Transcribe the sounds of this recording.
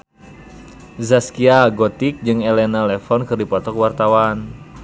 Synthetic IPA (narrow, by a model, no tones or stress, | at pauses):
zaskiaɡɔt̪ik̚d͡ʒɨŋɛlɛnalɛfɔnkɨrdipɔt̪ɔkwart̪awan